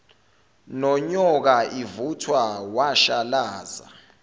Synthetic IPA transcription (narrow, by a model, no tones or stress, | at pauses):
nɔɲɔk̬aʔivutʰwawaʃalaːza̰